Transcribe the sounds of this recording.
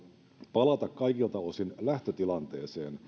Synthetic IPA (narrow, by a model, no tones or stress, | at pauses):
pɑlɑt̪ɑkkɑjkilt̪ɑosinlæht̪ø̞t̪ilɑnt̪e̞ːse̞ːn